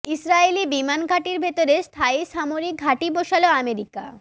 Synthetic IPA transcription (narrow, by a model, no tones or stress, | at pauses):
isɾaelibimanɡʱaʈiɾbʱet̪oɾest̪ʰaiʃamoɾik̚ɡʱaʈiboʃaloameɾika̰